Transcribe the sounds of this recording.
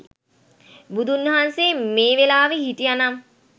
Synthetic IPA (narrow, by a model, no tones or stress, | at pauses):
bud̪ʱunːeɦansemeːʋelaːʋehiʈijanam